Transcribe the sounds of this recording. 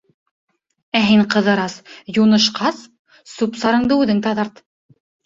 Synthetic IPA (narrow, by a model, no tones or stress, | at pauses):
æɦiɴqɤ̆ðɤ̆ɾɑsjunɤ̆ʃqɑs | supsɑɾɤ̆ɴd̪ɤʉðɘŋt̪ɑðɑɾt̪